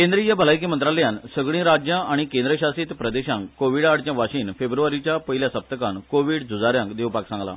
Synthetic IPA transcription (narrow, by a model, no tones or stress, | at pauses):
kẽnd̪ɾijabʱəlajk̬imənt̪ɾaləjãnsəɡɭ̃ĩːɾad͡ʑjãʔaɽ̃ikẽnd̪ɾəɕasiːt̪pɾəd̪eɕãŋkkoʋiɽaʈt͡ɕjãʋaɕiːnfebɾuʋaɾit͡ɕjapəɦiljasəp̚t̪əkankoʋiːɽd͡zʱud͡zaɾjãŋkd̪eʋpaksãŋɡla̰